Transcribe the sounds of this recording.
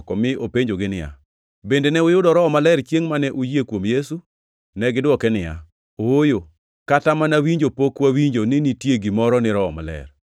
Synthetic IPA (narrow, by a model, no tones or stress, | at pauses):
kɔmɪopeɲd͡ʒoɡɪnɪja̰ | bendenɛʊjʊdɔɾɔɔmalɛɾt͡ʃjeŋmanɛʔujiekwomjesu | nɛɡɪdwɔkɛnɪja̰ | ojo | katamanawiɲd͡ʒopokwawiɲd͡ʒonɪnitjeɡimɔɾɔnɪɾɔɔ̰ma̰lɛ̰r